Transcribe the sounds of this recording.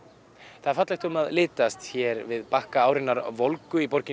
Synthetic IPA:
θaðɾfat̪laxt̪ʏmaðlɪːt̪ast̪çɛɾvɪðpahkaaːwɾɪnːaɾvolkʏipɔɾcɪ

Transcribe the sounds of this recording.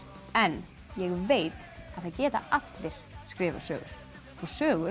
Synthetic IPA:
ɛnː | jɛɣveːjt̪ | aðθaðcɛːt̪a̰ʔat̪lɪɾ̥skɾɪːva̰sœːɣʏ̰ɾ̥ | ɔsœːɣʏ

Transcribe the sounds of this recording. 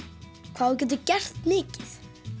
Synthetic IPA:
kʰv̥aːðc̬ɛːt̪ʏcɛr̥t̪mɪːcɪθ

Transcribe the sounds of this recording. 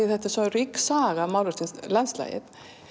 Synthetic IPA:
iθɛht̪asaɾiksaːɣamawlʏst̪ɪnslansla̰ːjɪ̰ð

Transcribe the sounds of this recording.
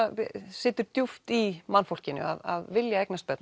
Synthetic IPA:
sɪːt̪ʏɾt̪juft̪imanfowl̥cɪnːʏ̰a̰ða̰ðvɪljaejknast̪̚pɛt̪n

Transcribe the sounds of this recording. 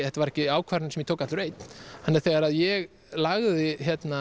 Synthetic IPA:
ɛt̪avaɾɛhcɪaːwkʰvaɾnsɛmjɛt̪ʰowkat̪lɾejt̪nhanːɛɾθɛɣaɾaðjɛɣ | laɣðɪçɛt̪na

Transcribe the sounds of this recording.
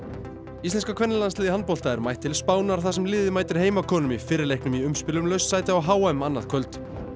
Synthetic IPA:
ist̪ɛnskakʰvɛnːɪlanslɪːðɪhan̚pɔwlt̪aɛɾmajht̪ʰːɪlspaːwnaɾ̥θas̬ɛmlɪːðɪmaːjt̪ɪɾ̥heːjmakʰɔːnʏmifɪːɾɪɾlejhknʏmiʏmspɪlʏmlœɥsːaːjt̪ɪaaɦaːwaʏmanːa̰ðkʰœlt̪

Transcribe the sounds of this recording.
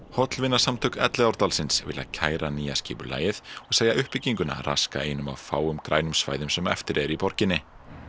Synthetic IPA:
hɔt̪lvɪnːḁsamt̪ʰœk̪ɛt̪lɛɔɾt̪alsɪnsvɪ̰ːla̰cʰaːjɾaniːjasciːpʏɾla̰ːjɪθɔɣsaːjðaʔʏhpɪciŋkʏna̰rʔa̰ska̰eːjnʏma̰wfaːwʏmkɾʔaːjnʏmsva̰ːjðʏmsɛmɛ̰ft̪ɪɾɛɾipɔɾ̥cɪnːɪ

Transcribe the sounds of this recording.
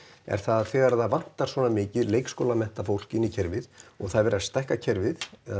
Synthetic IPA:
ɛ̰ɾ̥θaðθɛːɣaɾθaðvan̥t̪aɾ̥svɔːnamɪːcɪðleːjkskowlamɛn̥t̪afowl̥kɪnːicʰɛɾvɪðɔɣθaðvɛːɾast̪ɛhkacʰɛɾvɪð

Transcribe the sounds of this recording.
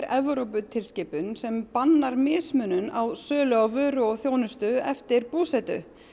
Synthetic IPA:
ɾɛvɾowpʏt̪ʰɪlscɪːpʏnsɛmpanːaɾmɪːsmʏnʏnawsœːlœɣavœːɾʏɔθjoːwnʏst̪ʏɛft̪ɪɾpuːsɛt̪ʏ̰

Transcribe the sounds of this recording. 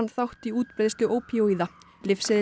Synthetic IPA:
nθawht̪iuːt̪̚pɾeːðst̪ʏʔoːwpʰiowiða | lɪfsɪð

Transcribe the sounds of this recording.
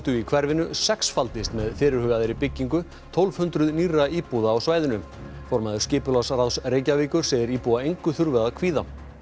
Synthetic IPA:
t̪ʏikʰvɛɾvɪnʏsɛksfalt̪ɪst̪mɛðfɪːɾɪɾhʏːɣaðɪɾipɪcːiŋkʏ | t̪ʰɔlv̥hʏnt̪ɾʏðnirːaiːpuðaːwsvaːjðɪnʏ | fɔɾmaðʏ̥scɪːpʏlasrawsreːjcaviːkʏɾ̥seðɪɾiːpuaejŋkʏθʏɾvɛðakʰv̥iːða

